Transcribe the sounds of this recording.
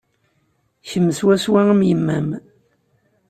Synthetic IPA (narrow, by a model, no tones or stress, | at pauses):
çəmːəswæswæŋəmjəmːæm